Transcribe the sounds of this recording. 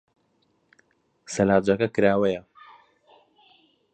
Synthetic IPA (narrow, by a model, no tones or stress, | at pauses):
sɐlaːd͡ʒɐkɐkɨɾaːwɐjɐ